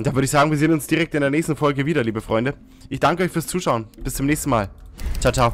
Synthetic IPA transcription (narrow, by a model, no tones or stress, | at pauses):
ʊnd̥avʏəɪçsz̥aːɡŋviːɐzeːnənʊnsd̥iːʁɛk̚tɪndeːɐnɛːçstn̩fɔlɡəviːdɐliːbəfʁ̥ɔʏndə | ʔɪçd̥aŋkəʔɔʏçfyːɐst͡suːʃaʊnb̥ɪst͡sʊmnɛːçstn̩maːltʰatʰa